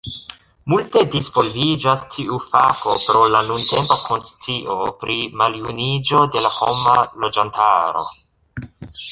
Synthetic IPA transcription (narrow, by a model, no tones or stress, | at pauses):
multe̞disvo̞lvid͡ʒastʰiufako̞pɾo̞lanunte̞mpakʰo̞nst͡siʔo̞pɾimaljunid͡ʒo̞de̞laho̞malo̞d͡ʒantʰa̰ɾo̞̰